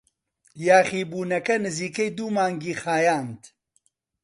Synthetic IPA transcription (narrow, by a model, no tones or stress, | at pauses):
jaːχiːbuːnɐkɐnɨziːkejd̪uːmaːŋɡiːxaːjaːnt̪